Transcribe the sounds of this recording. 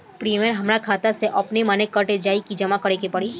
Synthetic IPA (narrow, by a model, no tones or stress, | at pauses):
pɾiːmijəɾɦɐmɾakʰaːt̪aseʔɐpnemaːnekːəʈed͡ʒaːikid͡ʒɐmakɐɾekepɐɽiː